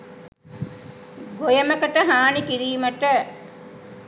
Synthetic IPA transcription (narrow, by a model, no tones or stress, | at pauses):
ɡojəməkəʈəɦaːnikiɾiːməʈə